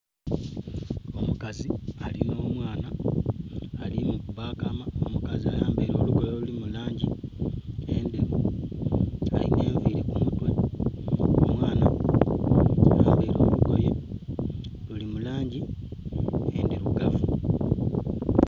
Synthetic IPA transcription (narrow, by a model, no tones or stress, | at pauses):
o̞mukazialino̞ːmwaːnaː | limukuβaːkamao̞mukaziajaːmbe̞ːɾo̞ːluɡo̞jo̞lulimulaːɲɟi | endeβu | a̰lḭne̞ːɱviɾe̞kumutwe̞ | o̰mwaːna | ajaːmbeːɾo̞ːluɡo̞je | lulimulaːɲɟi | endeɾuɡavu